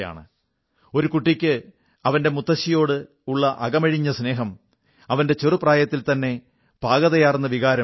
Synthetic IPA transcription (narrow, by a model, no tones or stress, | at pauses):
ja̰ːɳɨ̰ | o̞ɾukuʈːikʲːɨ | ɐʋɐnde̞mut̪ːɐɕijo̞ːɽɨ | uɭːɐʔɐɡɐmɐɻiɲːɐsne̞ːɦɐm | ɐʋɐnde̞t͡ɕerupraːjɐt̪ːilt̪ɐnːe̞ | b̥ʱaːɣɐðɐjaːrnːɐʋiɣaːɾɐ